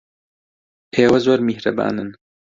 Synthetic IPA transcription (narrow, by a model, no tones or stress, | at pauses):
eːwɐzoːɾmihɾɐba̰ːnɨn